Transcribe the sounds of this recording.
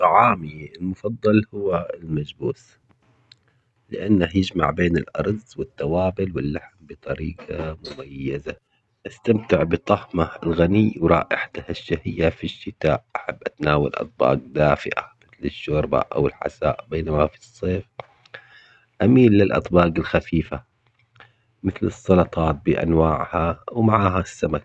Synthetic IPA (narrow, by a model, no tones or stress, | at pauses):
ʕaːmiɪlmʊfɑd̪ˤːɑlhʊwːalmad͡ʒbuːs | lɪʔanːahjɪd͡ʒma̰ʕbeːnɪlʔɑ̰ɾˤzwɪt̪ːɑwaːbɪlwɪlːaħmbɨt̪ˤɑɾiːqamʊmajːaza | ʔast̪amt̪ɪʕbɨt̪ˤɑhmaɪlɣaniwɾˤɑ̰ːʔɪħḁt̪ahɪʃːahɪjːafiʃːɪt̪aːʔʔaħabːʔat̪naːwa̰lʔɑ̰t̪̚ˤbɑ̰ːɡd̪aːfɪ̰ʔa̰mɪθlɪʃːoːɾba̰ʔa̰wɪlħa̰saːʔbeːnamafi̥sˤːeːf | ʔamiːlːɪlʔɑ̰t̪ˤbɑːɡɪlxafiːfa | mɪθlɨsˤːɑlɑt̪ˤɑːt̪̚bɪʔa̰nwaːʕhawmaʕaːɦasːamak